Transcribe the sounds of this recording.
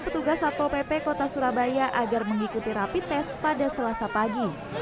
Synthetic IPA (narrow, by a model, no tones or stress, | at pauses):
pət̪uɡasat̪ɔlpepekot̪asuɾabajaʔaɡarməŋikut̪iɾapit̪ːɛspadasəlasapaɡi